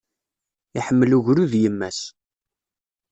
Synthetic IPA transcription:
iħəmːəluʝɾuðjəmːæs

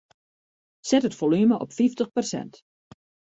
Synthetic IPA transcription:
sɛtətfolyməʔɔpfiftəχpərsɛ̰nt

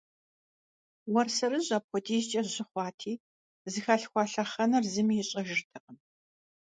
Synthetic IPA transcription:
wɐrsɐɾɨʑʼaːpxʷɔtʰʼiːzt͡ʃʼɐʑɪχʷɑːtʰiː | zɨxaːɬxʷɑːɬɐχɐnɐrzɨmiːjɪɕʼɐʒɨtʰɨqən

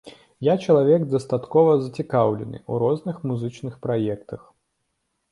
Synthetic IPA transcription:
jat͡ʃɐlˠavʲɛɡd̪ɐst̪at̪kɔvɐzɐt͡sʲɪkawlʲɪ̰nɨ̰uɾɔznɨxmuzɨt͡ʂnɨxpɾajɛkt̪ɐx

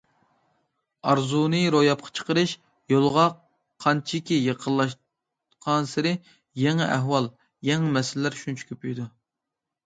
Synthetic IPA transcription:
ɑɾzunɨɾojɑp̚qʰɑ̥t͡ʃʰə̥qəɾɨʃ | jolˠʁɑ | qʰɑnt͡ʃʰikʲijeqʰəlˠːɑʃ | qʰɑnsɪɾɪ | jɛŋɛʔæɦwɑlˠ | jɛŋɛmɛsɪllːæɾʃunt͡ʃʰy̥kʲʰøpyjd̪u

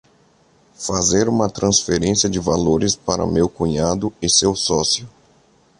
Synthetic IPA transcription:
fazeɾũmɐt̪ɾɐ̃sfeɾẽsiɐd͡ʒɪvaloɾɪspaɾɐ̰mewkũɲad̪ʊɪsewsɔsiʊ

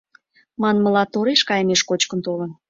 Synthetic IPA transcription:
mɑnmə̆lɑt̪oɾeʃkɑjəmeʃkot͡ɕkə̆nt̪olə̆n

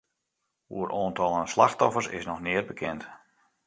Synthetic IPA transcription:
ṵəɾʔoːntɔlˠənslaxtɔfərsɪ̰snɔxnɪərbəkʰɛnt

